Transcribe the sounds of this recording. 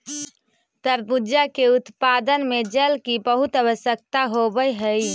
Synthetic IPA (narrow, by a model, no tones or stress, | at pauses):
t̪əɾbud͡ʒakeut̪pad̪ənmed͡ʒəlkibəɦut̪əʋəʃjək̚t̪aɦobəjɦəj